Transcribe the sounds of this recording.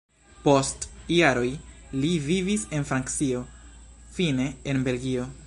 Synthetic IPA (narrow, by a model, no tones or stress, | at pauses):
po̞stjaɾo̞jlivivise̞nfɾaŋkt͡sio̞fine̞ːnbe̞lɡio̞